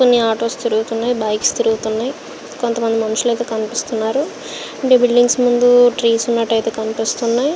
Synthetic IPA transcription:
konːiaːɾʈo̞ːst̪iɾuɡut̪unːaːjibɐjkst̪iɾuɡut̪unːaːji | kont̪ɐmɐnd̪imɐnuʃulɐjt̪̬e̞ːkɐnipist̪unːaːɾu | ɐɳʈeːbiɭɖiŋɡsmund̪uʈɾiːsunːɐʈːɐjt̪e̞ːkɐnipist̪unːaːji

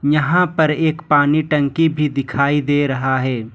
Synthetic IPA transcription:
jɐɦãpɐɾeːkpaːniʈɐ̃ŋkibʱid̪ɪkʰaːid̪eːɾɐɦaɦɛː

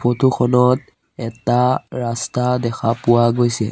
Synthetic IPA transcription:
pʰotʰukʰɔnɔt̚ | ɛtaɹastadɛxʰapʊwaɡojsɛ̰

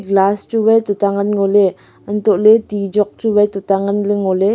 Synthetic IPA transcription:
ɡlast͡ʃuwɛjt̪ut̪aŋənŋole | ənt̪oʔlet̪id͡ʒɔk̚t͡ʃuwɛjt̪ut̪aŋənleŋole

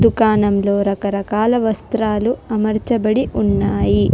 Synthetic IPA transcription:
d̪ukaːnɐmlo̞ːɾɐkɐɾɐkaːlɐʋɐst̪ɾaːluɐmɐɾt͡ʃɐbɐɽiʔunːaːji

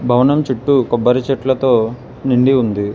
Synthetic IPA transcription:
bʱɐʋɐnɐmt͡ʃiʈːukɔbːɐɾɐt͡ʃɛʈlɐt̪o̞ː | niɳɖiund̪i

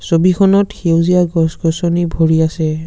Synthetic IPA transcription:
sobikʰɔnɔtxewzijaɡɔsɡɔsɔnibʱoɹiasɛ

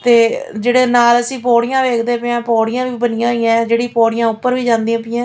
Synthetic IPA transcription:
t̪eːd͡ʒeːɽeːnaːləsĩːp̬ɔːɽijãːʋeːkʰd̪eːpɪãːpɔːɽɪjãːʋiːbənɪjãːɦoiːjãːd͡ʒeːɽiːpɔːɽɪjãːʊpːəɾʋiːd͡ʒãːnd̪iãːpɪːãː

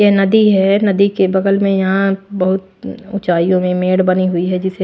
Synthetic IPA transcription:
jenɐd̪iɦɛnɐd̪ikebɐɡəlmẽjɐɦãbɐɦʊt̪ | ʊt͡ʃaːijõmẽmeːɽbɐniɦʊiɦɛd͡ʒɪse

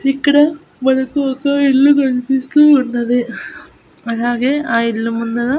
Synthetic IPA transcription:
ikːɐɽe | bɐlɐkːuʋɐkːɐilːukɐɭpist̪uːnːɐd̪e | ɐɦaːɡeaːilːumund̪ɐlɐ

